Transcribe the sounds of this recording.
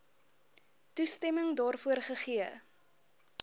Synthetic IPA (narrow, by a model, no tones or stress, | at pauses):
tustɛməŋdɑːrfuərχəχiə